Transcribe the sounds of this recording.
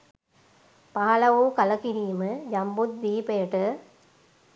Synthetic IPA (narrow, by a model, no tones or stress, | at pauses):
paːɐlɐʋoːkɐlɐkiɾiːmɨjɐmbut̪̚ʋiːpejɐʈɨ